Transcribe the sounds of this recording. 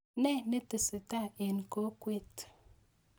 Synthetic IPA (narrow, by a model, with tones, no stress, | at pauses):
nɛ˦nə˦tə˨sɨ˨ta˦e˨n˨ko˦kwe˦˨t